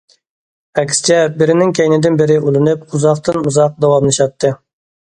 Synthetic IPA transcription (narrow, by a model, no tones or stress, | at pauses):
ɛkʲʰst͡ʃʰɛbɪɾɪnɪŋkʲʰɛjnɪd̪ɪnbɪɾɪulˠɨnɨp̚uzɑqt̪ʰɨnuzɑq̚d̪ɛwɑmlˠɨʃɑt̪ʰːɨ